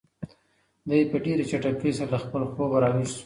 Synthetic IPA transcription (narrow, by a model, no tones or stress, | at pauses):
d̪ajepəɖeɾet͡ʃaʈakesaɾalaxpəloxoɡaɾɑwizu̥